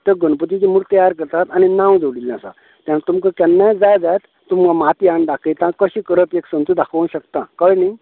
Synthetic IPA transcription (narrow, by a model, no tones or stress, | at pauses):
t̪əɡənpət̪it͡ɕimuɾt̪əjaɾkəɾt̪at̪añinãwd͡zoɽilnãsa̰ | t̪jãnat̪umkəkɛnːajd͡zajd͡zajt̪ːumkamat̪iaɳɖakʰəjt̪ãkəɕĩkəɾəpeksə̃nt͡s̪ud̪akʰʋə̃nɕəkt̪ãkəɭni